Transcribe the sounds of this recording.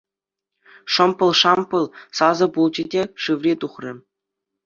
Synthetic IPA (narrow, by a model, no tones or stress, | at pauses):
ʂɤ̆mpɤ̆lˠʂɑmpɤ̆lˠsɑzɤ̆pulˠt͡ɕidʲeʂɯʋrʲet̪uχrʲɘ̆